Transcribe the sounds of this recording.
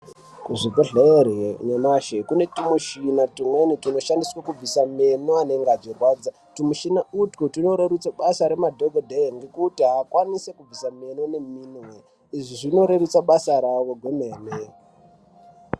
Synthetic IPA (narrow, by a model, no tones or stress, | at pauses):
kuʐivoɮeeɾeɲamaʃekune̞timuʃinatimwenitino̞ʃandiswakub͡visamenoane̞ŋɡaʐirwaːd͡za | timuʃinautkutino̞ɾeɾut͡saɓasaɾe̞madʱoɡʱodʱeŋɡekutiɦakwanisekub͡visamenone̞minwe | iʐiʐino̞ɾeɾut͡saɓasaɾaʋoɡʱuneːme